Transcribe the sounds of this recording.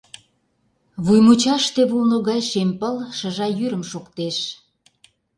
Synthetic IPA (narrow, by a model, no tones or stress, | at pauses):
βujmut͡ɕɑʃt̪eβulnoɣɑjʃempəlʃə̆ʒɑjyɾə̆mʃokt̪eʃ